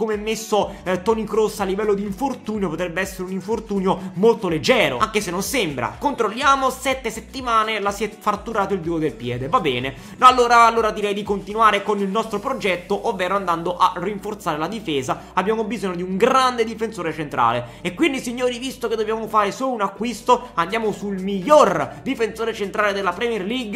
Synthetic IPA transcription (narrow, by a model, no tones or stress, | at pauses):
komeɛmːesːot̪ɔnikɾosːalːivɛlːod̪iːɱfort̪uːnjopot̪ɾɛbːeɛsːeɾeuniɱfort̪uːnjomolt̪oled͡ʒːɛːɾo̰aŋkesenːonsembɾa̰kont̪ɾolːjaːmosɛt̪ːeset̪ːimaːnelasjɛfart̪ːuɾaːt̪oilb̪uɡod̪elpjɛ̰ːd̪evabːɛːne | nalːoːɾaːlːoːɾad̪iɾɛjd̪ikont̪inuaːɾekonilnɔst̪ɾopɾod͡ʒɛt̪ːoʔovːɛːɾoand̪and̪oʔariɱfort̪saːɾelad̪ifeːzaabːjaːmobizoɲːod̪iuŋɡɾand̪ed̪ifensoːɾet͡ʃent̪ɾa̰ːle | ekːwind̪isiɲːoːɾivist̪oked̪objaːmofaːɾesoːlunakːwist̪oand̪jaːmosulmiʎːord̪ifensoːɾet͡ʃent̪ɾaːled̪elːapɾɛmjɛrliɡ